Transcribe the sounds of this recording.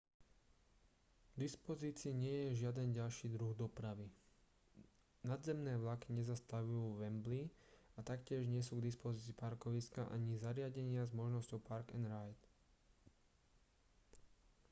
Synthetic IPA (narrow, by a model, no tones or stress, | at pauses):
ɡ̥d̪ispɔziːt͡siːɲɪɛjɛʒɪad̪ɛnɟalʃiːd̪ɾuɣd̪ɔpɾaʋi | nad̪zɛmnɛːʋlakiɲɛzast̪aʋujuːʋɛmbliat̪akcɪɛʒɲɪɛs̬uːɡd̪ispɔziːt͡siːpaɾkɔʋiskaʔaɲizaɾɪaɟɛɲɪazmɔʒnɔscɔʊpaɾkɛnɾajt̪